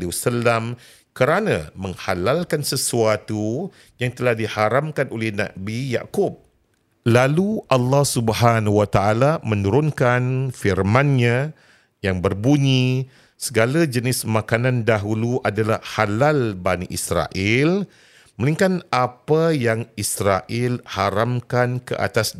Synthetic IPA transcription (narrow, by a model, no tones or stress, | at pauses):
liusəlam | kəɾanã̰mə̃ŋhalalkansəsuat̪u | jaŋt̪əlahdihaɾamkanʔolɛhna̰bija̰kʊp̚ | laluʔɑlːɑhsubəɦanhuwat̪aʔalamə̃nuɾʊnkanfirmãnɲã | jaŋbərbuɲĩ | səɡalad͡ʒənɪsmãkanãndaɦuluʔadalahhalalbanḭʔisɾa̰ʔɪl | məliŋkanapajaŋisɾaʔɪlhaɾamkankə̰ʔa̰t̪as